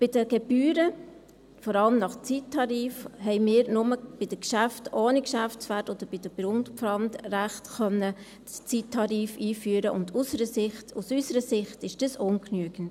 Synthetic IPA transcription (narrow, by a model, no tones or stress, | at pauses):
b̥ɪd̥əɡ̥ebyːɾə | fɔɾɑləmnɑχt͡sitʰːɑɾiːfhɛɪmɪːɾnʊməb̥ɪd̥əkʃæftoːnikʃæft͡sʋætɔd̥̪əɾb̥ɪd̥əb̥ɾʊntfɾɑndræχtχœnːə | st͡sitʰːɑɾiːfiːfyːəɾəʔʊndusəɾəsɪχtusysəɾəsɪχtɪʃd̥ɑsʊnknyəɡən̩t